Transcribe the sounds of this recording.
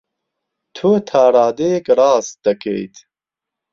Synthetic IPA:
t̪ʰut̪ʰaːɾɑːd̪ejekɾɑːsd̪̥ɐkʰḛjt̪ʰ

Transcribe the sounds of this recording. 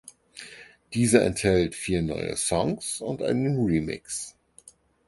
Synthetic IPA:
d̥iːzɐʔɛ̰nthɛltfiːɐnɔ̰ʏə̰sɔŋsʊntʔa̰ɪnənʁimɪ̰ks

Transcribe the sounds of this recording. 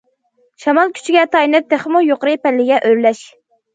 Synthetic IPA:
ʃɑmɑlˠkʲʰy̥t͡ʃʰiɡʲɛt̪ʰɑjinɨp̚t̪ʰeχmujoqəɾɨpɛlːɪɡʲɛʔøɾlɛʃ

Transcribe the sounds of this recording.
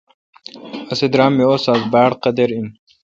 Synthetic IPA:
ɐsid̪ɾaːmːioːsazbæːɽqɐd̪eɾin

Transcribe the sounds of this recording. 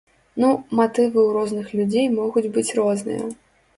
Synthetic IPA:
numat̪ɨvɨuɾɔznɨxlʲud͡zʲejmɔɣud͡zʲbɨt͡sʲrɔznɨ̰jɐ̰

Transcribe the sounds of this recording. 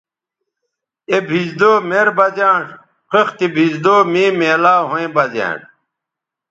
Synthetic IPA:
ebʱizd̪oːmeɾbɐzaːʂ | qext̪ibʱizd̪oːmiːmeːlaːɦõẽbɐzḛːɳ

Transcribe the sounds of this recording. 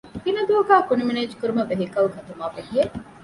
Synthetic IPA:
kinɐd̪uɐɡaːkunimineːd͡ʒkuɾumɐbeɦikɐʋɡɐt̪umaːbɐɦie

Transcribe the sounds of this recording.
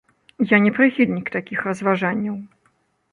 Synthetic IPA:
janʲɛpɾɨxʲilʲnʲikt̪akʲixrɐzvaʐanʲːɐw

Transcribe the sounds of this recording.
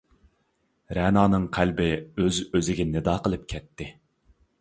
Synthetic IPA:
ɾɛːnɑːnɨŋqʰælbɪøzøzɪɡʲɛnɨd̪ɑːqəlˠɨp̚kʲʰɛt̪ʰːɪ

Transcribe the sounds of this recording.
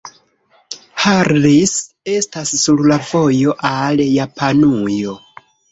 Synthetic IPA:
haɾis | e̞stasːuɾlavo̞jo̞ʔaljapʰanujo̞

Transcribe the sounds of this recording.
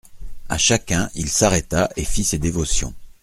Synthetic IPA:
a̰ʃakʲɛ̃ʔilsaʁɛt̪aʔefised̪evɔsjɔ̰̃

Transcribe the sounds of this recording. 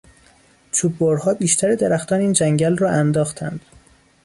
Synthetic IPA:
t͡ʃʰuːbːɒːɾhɒːbiːʃt̪ʰæɾed̪eɾæxt̪ʰɒːniːnd͡ʒæŋɟælrɒːʔænd̪ɒːxt̪ʰæ̰nd̪̥

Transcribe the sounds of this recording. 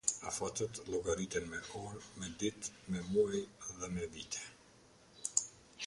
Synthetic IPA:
afat̪ət̪lˠɔɡaɾit̪ɛnmɛʔɔɾmɛd̪it̪mɛmuajðɛmɛvit̪ʰɛ̥

